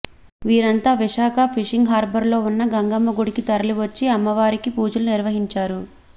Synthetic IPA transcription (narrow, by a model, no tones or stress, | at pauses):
ʋiːɾɐnt̪aːʋiʂaːkʰɐpʰiʂiŋɡɦaːɾbɐɾlo̞ːunːɐɡɐŋɡɐmːɐɡuɽikit̪ɐɾɐliʋɐt͡ʃːiɐmːɐʋaːɾikipuːd͡ʒɐluniɾʋɐɦiɲt͡ʃaːɾu